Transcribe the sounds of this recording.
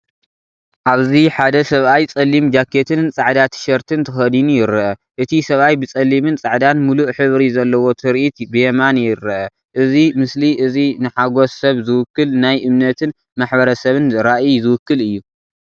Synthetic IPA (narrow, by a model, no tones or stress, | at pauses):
ʔaβziħad̪ɐsɐβʔajt͡sʼɐlːimd͡ʒakʰːet̪ʰɨnt͡sʼaʕd̪at̪ʰɨ̥ʃɐɾt̪ʰɨnt̪ʰɨxɐd̪inujɪɾɐʔɐʔɨt̪ʰisɐβʔajbɨt͡sʼɐlːimɨnt͡sʼaʕd̪anmuluʔħɨβɾizɐlːɐwo̞t̪ʰɨɾʔit̪bɨjɛmanjɪɾɐʔɐ | ʔɨzimɨsliʔɨzinɨħaɡo̞sɐβzɨwʊkːɨlnajʔɨmnɐt̪ʰɨn | maħbɐɾɐsɐβɨnɾaʔizɨwʊkːɨlɨjːu